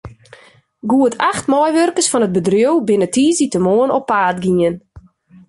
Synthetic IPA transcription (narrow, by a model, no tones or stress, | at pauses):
ɡuətʰaxtmɔjʋørkəsfɔnəd̚bədrjowbɪnətiːəzitəmoənɔpːaːtɡiən